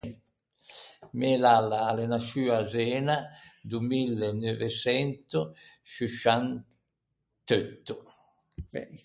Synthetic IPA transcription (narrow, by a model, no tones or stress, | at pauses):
mɛlalːaːlenasyːazɛːnad̪umilːenøvesɛnt̪usuʃan | t̪øt̪ːu